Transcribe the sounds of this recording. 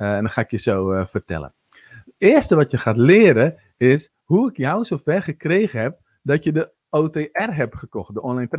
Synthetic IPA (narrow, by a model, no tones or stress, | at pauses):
ɛndɔnxaːɪkjəsoːfərtɛ̰lə̰n | ɪərstəʋɔtjəxaːtlɪːəɾə | ɪs | huɪkjawsoːfɛrχəkreːɣəhɛp̚ | dɔtjədə | oːteːʔɛrɦɛpxəkɔxt̚dəonlajnt